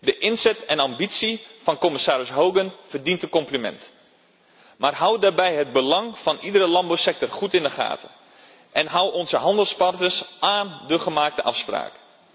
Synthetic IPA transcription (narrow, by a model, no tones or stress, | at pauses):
dəʔɪnzɛtʰɛnɑmbitsifɑnkomɪsaːɾəsɦowɡənfərdintəkɔmplimɛ̰nt | marɦawdaːrbɛjɦəd̚bəlɑŋfɑnʔidəɾəlɑmbawsɛk̚tɔrχutɪndəχa̰ːtʰə | ʔɛnɦawɔnzəɦɑndəlˠspɑrtəsaːndəχəmaːk̚təʔɑ̰fspra̰ːk